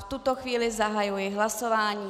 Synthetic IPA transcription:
ft̪ut̪oxviːlɪzaɦajujɛɦlasovaːɲiː

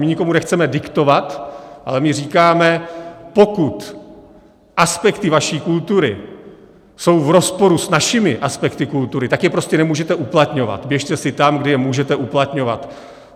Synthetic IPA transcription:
mɪɲɪkomunɛxt͡sɛmɛdɪkt̪o̞vat̪ʔa̰lɛmɪriːkaːmɛpo̞kut̪ | ʔaspɛkt̪ɪvaʃiːkult̪uɾɪ | so̞wvɾo̞spo̞ɾusnaʃɪmɪʔaspɛkt̪ɪkult̪uɾɪt̪akjɛpɾo̞scɛnɛmuːʒɛt̪ɛʔuplat̪ɲo̞va̰t̪bjɛʃt̪ɛsɪt̪amɡdɪjɛmuːʒɛt̪ɛʔuplat̪ɲo̞va̰t̪

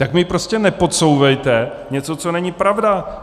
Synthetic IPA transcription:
t̪akmɪpɾoscɛnɛpo̞t̪so̞wvɛjt̪ɛ | ɲɛt͡so̞t͡so̞nɛɲɪpɾavda

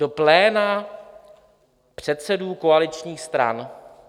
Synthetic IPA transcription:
d̥o̞plɛːna | pr̝̥ɛt̪sɛduːkoalɪt͡ʃɲiːxst̪ɾa̰n

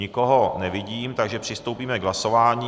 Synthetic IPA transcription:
ɪko̞ɦo̞nɛvɪɟiːmt̪aɡʒɛpr̥ɪst̪owpiːmɛɡɦlaso̞vaːɲiː

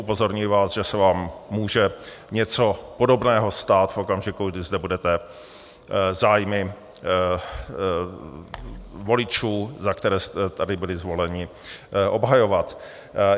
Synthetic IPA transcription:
upo̞zo̞ɾɲujɪvaːsʒɛsɛvaːmːuːʒɛ | ɲɛt͡so̞po̞do̞bnɛːɦo̞st̪aːt̪fʔo̞kamʒɪkuɡdɪzdɛbudɛt̪ɛ | zaːjmɪ | vo̞lɪt͡ʃuːzakt̪ɛɾɛːst̪ɛt̪adɪbɪlɪzvo̞lɛɲɪ | ʔo̞bɦajo̞vat̪

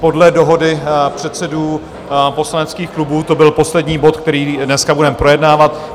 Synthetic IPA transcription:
po̞dlɛdo̞ɦo̞dɪpr̝̥ɛt̪sɛduː | po̞slanɛt͡skiːxklubuːt̪o̞bɪlpo̞slɛdɲiːbo̞t̪k̚t̪ɛɾiːdnɛskabudɛmpɾo̞jɛdnaːvat̪

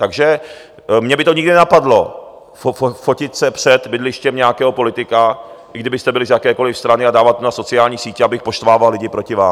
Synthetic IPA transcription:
t̪aɡʒɛ | mɲɛbɪt̪oɲɪɡdɪnɛnapadlo | ffocɪt̪sɛpr̝̥ɛt̪bɪdlɪʃcɛmɲɛakɛːɦo̞po̞lɪt̪ɪkaʔɪɡdɪbɪst̪ɛbɪlɪzjakɛːko̞lɪfst̪ɾanɪadaːvat̪̚ːmonaso̞t͡sɪaːlɲiːsiːcɛabɪxpo̞ʃt̪vaːvallɪɟɪpɾo̞cɪvaːm

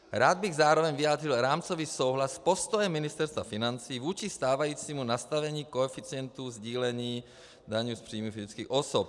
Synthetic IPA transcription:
ɾaːd̪̚bɪɣzaːɾovɛɲvɪjaːd̪rɪlɾaːmt͡soviːso̞wɦlaspo̞st̪ojɛmːɪnɪst̪ɛɾst̪vafɪnant͡siːvuːt͡ʃist̪aːvajiːt͡siːmunast̪avɛɲiːkoɛfit͡siɛnt̪uzɟiːlɛɲiː | daɲuːspr̝̥iːmufɪzɪt͡skiːxʔosop̚

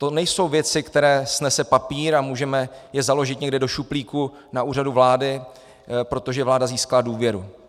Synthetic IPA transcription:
t̪o̞nɛjso̞wvjɛt͡sɪkt̪ɛɾɛːsnɛsɛpapiːɾamuːʒɛmɛjɛzalo̞ʒɪt̪ɲɛɡdɪdo̞ʃupliːku | naʔuːraduvlaːdɪ | pɾo̞t̪o̞ʒɛvlaːdaziːskaladuːvjɛɾu

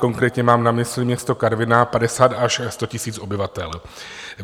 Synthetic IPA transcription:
ko̞ŋkɾɛːt̪ɲɛmaːmnamɪslɪmɲɛst̪o̞kaɾvɪnapadɛsaːt̪aʃst̪o̞cɪsiːt͡sʔo̞bɪvat̪ɛl

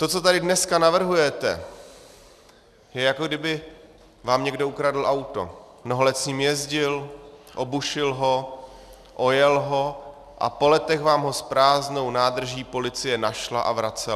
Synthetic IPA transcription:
t̪o̞tt͡so̞t̪adɪdnɛskanavr̩ɦujɛt̪ɛ̰ | jɛjakoɡdɪbɪ | vaːmɲɛɡdo̞ukɾadl̩ʔawt̪o̞̰mnoɦolɛt̪sɲiːmjɛzɟɪlʔo̞buʃɪlɦo | ʔo̞jɛlɦo̞ | ʔa̰po̞lɛt̪ɛxvaːmɦo̞spɾaːzno̞wnaːd̪r̩ʒiːpo̞lɪt͡sɪjɛnaʃlaʔavɾat͡sɛ

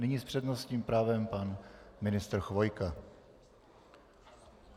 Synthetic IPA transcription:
nɪɲiːspr̝̥ɛd̪nosɲiːmpɾaːvɛmpanmɪnɪst̪ɾ̩xvo̞jka

